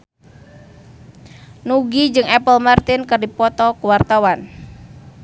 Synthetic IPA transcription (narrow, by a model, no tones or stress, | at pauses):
nuɡid͡ʒɨŋɛpəlmart̪ɪnkɨrdipɔt̪ɔkuwart̪awan